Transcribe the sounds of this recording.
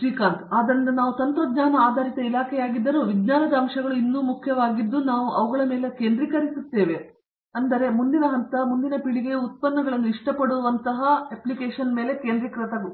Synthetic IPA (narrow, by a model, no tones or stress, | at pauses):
ʂɾiːkaːɾt̪aːd̪ɐnːunaːʋut̪ɐnt̪ɾɐd̪ɲaːnɐaːd̪ʱaːɾit̪ɐilaːkʰɛjaːɡid̪ːɐɾoʋiɡɲaːnɐd̪ɐːmʂɐɡɐɭuinːuːmukʰjɐʋaːɡid̪ːunaːʋuʔɐʋɐɡɐɭɐme̞ːle̞ke̞ːnd̪ɾikɐɾisut̪ːe̞ːʋe̞ | ɐnd̪ɐɾe̞mund̪inɐɦɐnt̪ɐmund̪inɐpiɭiɡe̞ut̪̚pɐnːɐɡɐɭɐnːuiʂʈɐpɐɽuʋɐnt̪ɐɦɐeplikeːʂɐnme̞ːle̞keːnd̪ɾikɾɐt̪ɐɡu